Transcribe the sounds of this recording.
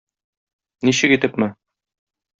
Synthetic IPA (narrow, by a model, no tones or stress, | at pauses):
niɕɘkit̪ɘpmɘ